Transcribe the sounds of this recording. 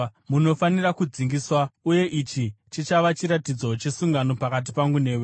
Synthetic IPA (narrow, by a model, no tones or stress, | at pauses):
muno̞fanirakud͡ziŋɡiswauje̞ʔit͡ʃit͡ʃit͡ʃaʋat͡ʃiɾatid͡zo̞t͡ʃe̞suŋɡano̞pakat̬ipaŋɡune̞ːwe